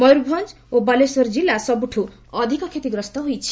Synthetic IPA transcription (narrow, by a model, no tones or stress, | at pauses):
mɔjɾubʱɔnd͡ʒ | obalesɔɾd͡ʒilːasɔbuʈʰu | ɔd̪ʱikɔkʰet̪iɡɾɔst̪ɔɦujt͡ʃʰi̥